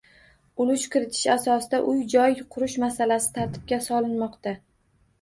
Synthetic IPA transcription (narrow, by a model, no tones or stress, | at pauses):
ʊlʊʃkʲɪɾɪt̪ʰɪ̥ʃasɒsɪd̪aʔʊjd͡ʒɒjqʰʊɾʊʃmasalasɪ̥t̪ʰaɾt̪ʰɪ̥p̚kʲasɒlˠɪnmɒqt̪a